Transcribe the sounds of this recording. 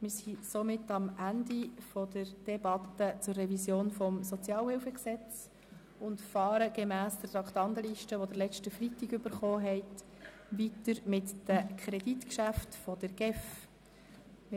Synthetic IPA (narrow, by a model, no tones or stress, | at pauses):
mɪːɾsisomɪtːɑmʔændifɔdəɾd̥ɛbɑt̪ət͡sʊrːɛvisjoːnfɔmsɔt͡sjɑːlhɪlfəksɛt͡s | ʊntfɑːɾəɡ̥emæːsd̥ətɾɑktɑnt̪əliʃtəʋɔdəɾlɛt͡ʃtəfritːiɡʏb̥əɾχɔːɦɛɪt | ʋitəɾmɪtdəkʰɾɛd̥itkʃæftfɔd̥əɾɡ̥ɛf | m